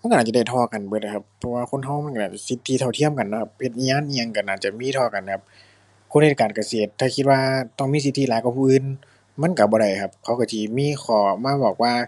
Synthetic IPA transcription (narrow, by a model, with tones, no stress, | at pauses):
ma˧˥˨ka˧naː˧˩t͡ɕa˧˩da˧˩t̪ʰɔː˧˩ka˨˩nbɤː˧˦t̚la˨˩kʰa˧˦pʰːɔ˧waː˧kʰo˧˥˨nɦa˧˨wma˧˥˨ka˧˨aː˧˩t͡ɕa˧˨˩si˧˦t̪ʰːi˧t̪ʰa˧˩t̪ʰi˧˥˨əmka˨nːɔ˧˦kʰa˧p̚he˧t̪̚ʔiː˧ɲaː˧˥˨nʔi˧a˧ŋka˨˧˩naː˧˩t͡ɕa˧˩miː˧˥˨t̪ʰɔː˧˩ka˨nkʰa˧p̚ | kʰo˧˥˨nhe˧˩kaː˨˩nka˧˩seː˨˩t̪ʰːaː˧˩kʰi˧t̪̚waː˧t̪ɔ˧˩ŋmiː˧˥s̬i˧˦t̪ʰːi˧˨aː˨˦jkwa˧˩pʰuː˧˨ʔɯː˧˨n | ma˧˥˨nka˧˩bɔː˧˦ɾa˧˩jkʰa˧˦p̚kʰa˧˩wka˧˩si˧miː˧˥˨xʰɔː˧˩maː˧˥˨bɔː˨˩k̚waː˧